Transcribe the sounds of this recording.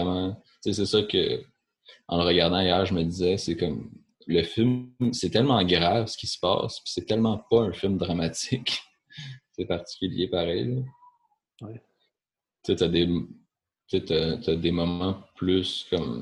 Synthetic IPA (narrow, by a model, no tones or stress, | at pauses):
mɑ̃ | t͡ses̬ɛsʌkʲə̰ | ɑ̰̃ləʁəɡaʁd̪ɑ̃ajœːʁʒəməd̪izɛsekʌm | ləfɪlmsɛt̪ɛlmɑ̃ɡʁavsə̥kʲi̥sə̥pɑ̰ːspi̥sɛt̪ɛlmɑ̃pʌɛ̃fɪlmd̪ʁamat͡sɪk | sepaʁt̪i̥kʲyljepaʁɛjlə | wɛ | t͡set̪yad̪e | t͡set̪at̪ad̪emɔmɑ̃plyskʌm